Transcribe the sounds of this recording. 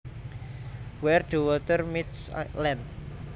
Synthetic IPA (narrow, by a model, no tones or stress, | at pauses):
wɛrɖ̥uwɔt̪ərmit̪slɛn